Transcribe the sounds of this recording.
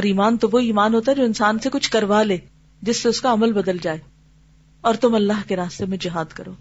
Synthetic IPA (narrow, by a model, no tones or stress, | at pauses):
ɔɾiːmaːnt̪oʋoiːmaːnɦoːt̪aɦɛd͡ʒoːɪnsaːnsekʊt͡ʃʰkɐɾʋaleː | d͡ʒɪsːeʊskaɐməlbɐd̪əld͡ʒaːeː | ɔːɾt̪ʊmɐlːaːɦkeɾaːst̪emẽd͡ʒɪɦaːd̪kɐɾoː